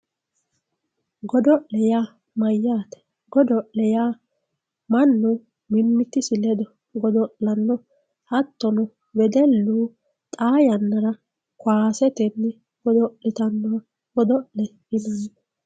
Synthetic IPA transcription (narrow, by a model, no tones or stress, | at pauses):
ɡɔd̪ɔʔlɛjaː | mɐjːaːt̪ɛ̥ | ɡɔd̪ɔʔlɛjaː | mɐnːʊ | mɪmːɪt̪ːɪsɪlɛd̪ɔ | ɡɔd̪ɔʔɐnːɔ | hɐt̪ːɔnɔ | bɛd̪ɛlːuː | t̪ʼaːjɐnːɐɾɐ | kwaːsɛt̪ɛnːɪ | ɡ̥ɔd̪ɔʔlɪt̪ɐnːɔ | ɡ̥ɔd̪ɔʔlɛ | ɪnɐn